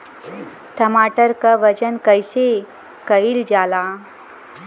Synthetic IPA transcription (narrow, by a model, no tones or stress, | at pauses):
ʈəmaːʈəɾkaʋɐt͡ʃənkəjse | kəild͡ʒaːla